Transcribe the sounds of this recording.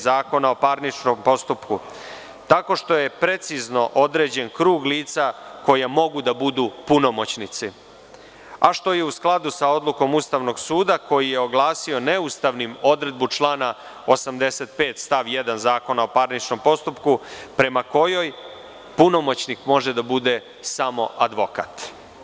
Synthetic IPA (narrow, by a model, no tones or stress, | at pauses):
zaːko̞nao̞paɾnit͡ʃnompo̞st̪upku | t̪ako̞ʂt̪o̞je̞pɾe̞t̪sizno̞ʔo̞d̪ɾe̞ːd͡ʑe̞nkɾuːɡliːt̪sako̞jamo̞ɡud̪abud̪uːpuno̞mo̞t͡ɕnit̪si | aʃt̪o̞je̞usklˠad̪usao̞d̪luko̞must̪aʋno̞ɡsuːd̪ako̞jije̞oɡlaːsio̞neust̪aʋnimo̞d̪ɾe̞d̪̚but͡ʃlˠaːna | osamd̪e̞set̪̚pe̞ːt̪st̪aʋjed̪anzaːko̞nao̞paɾnit͡ʃno̞mpo̞st̪upkupɾe̞mako̞jo̞j | puno̞mot͡ɕnikmo̞ʒed̪abud̪e | samo̞̰ʔad̪ʋo̞ka̰t̪